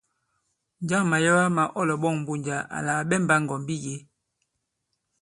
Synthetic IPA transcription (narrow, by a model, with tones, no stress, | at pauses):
nd͡ʒa˦˨ŋma˨ja˦wa˦ma˨ʔɔ˦lɔ˨ɓɔ˦˨ŋm˨bu˦˨ɲd͡ʒa˨a̰˨la˨ɓɛ˦˨mba˦ŋɡɔ˨mbi˦je˨˦